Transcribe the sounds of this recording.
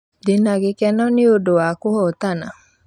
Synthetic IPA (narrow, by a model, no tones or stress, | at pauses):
dɪnaɡɪkɛnɔnɪodoakʊhɔt̪ana̰